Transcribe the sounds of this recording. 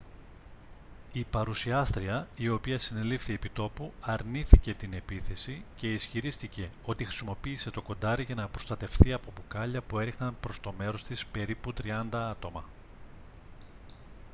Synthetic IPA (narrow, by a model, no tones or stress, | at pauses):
ipɐɾusiɐst̪ɾiɐio̞piɐsine̞lifθie̞pit̪o̞puɐɾniθice̞t̪ine̞piθe̞sice̞isçiɾist̪ice̞o̞t̪ixɾi̥simo̞piːse̞t̪o̞ko̞nd̪ɐɾiʝɐnɐpɾo̞st̪ɐt̪e̞fθiɐpo̞pukɐʎɐpue̞ɾixnɐnpɾo̞st̪o̞me̞ɾo̞st̪ispe̞ɾiput̪ɾiɐnd̪ɐɐt̪o̞mɐ